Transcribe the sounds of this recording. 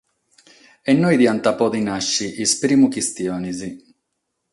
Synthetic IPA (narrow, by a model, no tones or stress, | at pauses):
ɛnːɔjd̪iant̪apɔd̪inaʃːiʔispɾiːmukist̪jɔːnizi